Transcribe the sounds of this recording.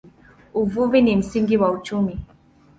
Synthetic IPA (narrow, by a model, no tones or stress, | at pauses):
uvuvinim̩siŋɡiwaut͡ʃumi